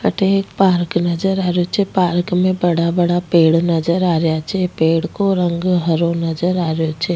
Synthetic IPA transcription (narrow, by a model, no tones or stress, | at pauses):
ə̰ʈeekpaɾknəd͡ʒəɾaɾjot͡ʃʰepaɾkmẽbəɽabəɽapeɽnəd͡ʒəɾaɾjat͡ʃʰepeɽkoɾəŋɡɦəɾonəd͡ʒəɾaɾjot͡ʃʰe